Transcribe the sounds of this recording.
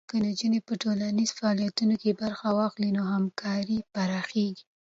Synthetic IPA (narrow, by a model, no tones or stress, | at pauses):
kənad͡ʒənepəʈolanizfaːlijat̪unokebaɾxawɑxlinoɦamkʰɑɾipaɾɑxeɡi